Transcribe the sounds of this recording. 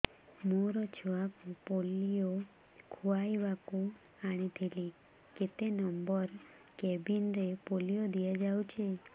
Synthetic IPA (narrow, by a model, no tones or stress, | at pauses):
moɾɔt͡ʃʰɔakupolijo | kʰuajʋaku | aɽ̃it̪ʰili | ket̪enɔmbɔɾ | kɛbinɾepolijod̪ijad͡ʒawt͡ʃʰe